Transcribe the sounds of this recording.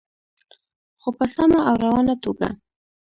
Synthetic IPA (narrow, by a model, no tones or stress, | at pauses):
xopəsamaʔawɾawɑnat̪oɡa̰